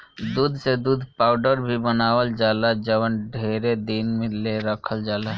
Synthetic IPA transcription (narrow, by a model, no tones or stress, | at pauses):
d̪uːd̪ʱsed̪ud̪ʱpaʊɖəɾbʱibənaːʋəld͡ʒalad͡ʒəʋənɖʱeɾed̪inmẽleɾəkʰəld͡ʒalaɦ